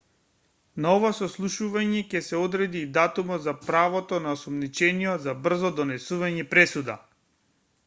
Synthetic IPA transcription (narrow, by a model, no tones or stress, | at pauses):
naɔvasɔslˠuʃuvaɲɛcɛsɛɔd̪ɾɛd̪iːd̪at̪umɔd̪zapɾavɔt̪ɔnaɔsɔmnit͡ʃɛnijɔzabr̩zɔd̪ɔnɛsuvaɲɛpɾɛsud̪a̰